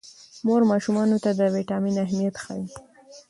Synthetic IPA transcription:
moɾmɑʃumɑnot̪ad̪əwiʈɑminaɦmijat̪xɑ̰ju

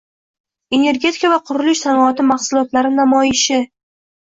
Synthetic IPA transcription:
e̞ne̞ɾɡʲe̞t̪ʰɪkavaqʰʊɾʊlɪʃsanɒat̪ɪmaχsʊlˠɒt̪laɾɪnamɒjɪʃɪ

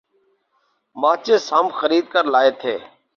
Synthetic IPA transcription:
maːt͡ʃeːsaːmxəɾiːd̪kəɾlaːeːt̪ʰḛː

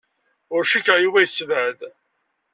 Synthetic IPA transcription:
ʊɾʃikəʁjuvæjəsvəd̪

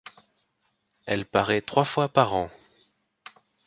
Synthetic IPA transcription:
ɛlpaʁɛt̪χwafwapaʁɑ̃

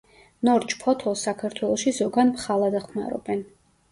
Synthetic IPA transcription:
nɔɾt͡ʃʰpʰɔt̪ʰɔsakʰaɾt̪ʰwɛlˠɔʃizɔɡanpχalˠad̪aχma̰ɾɔ̰bɛn

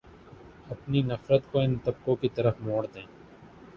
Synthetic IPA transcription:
ɐpninɐfɾət̪koɪnt̪ɐb̚kõkit̪ɐɾəfmoːɽd̪ẽː

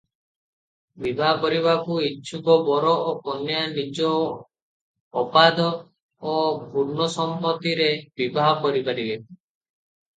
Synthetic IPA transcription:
bibʱaɦɔkɔɾiβakuit͡ʃʰukɔbɔɾɔɔkɔnjanid͡ʒɔ | pad̪ɔː | bʱuɾnɔsɔmpɔt̪iɾebibʱaɦɔkɔɾipaɾibe

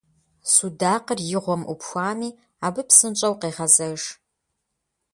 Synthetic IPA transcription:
sudaːqərjɪʁʷɔmʔṵpxʷaːniː | aːbɨpsɨnt͡ʃʼɐwqeːʁɐzɐʂ

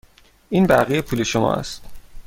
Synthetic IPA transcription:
iːnbæɣijepʰuːle̞ʃomɒ̰ːæ̰st̪

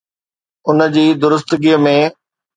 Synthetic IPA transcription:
ʊnəd͡ʑiːd̪ʊɾʊs̬t̪ɡiːəmẽː

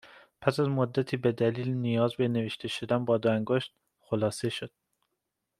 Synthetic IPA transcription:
pʰæsæzmod̪ːæt̪ʰiːbed̪æliːlnijɒːzbeneveʃt̪eʃod̪ænbɒːd̪oæŋɡoʃt̪̚ | xolɒːseʃod̪̥̚

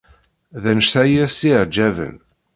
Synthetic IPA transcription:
ðænʃθæjæsiʕd͡ʒːævə̰n

